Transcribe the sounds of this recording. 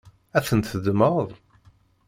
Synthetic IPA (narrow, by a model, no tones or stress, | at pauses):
æθənt̪θəd̪məðˤ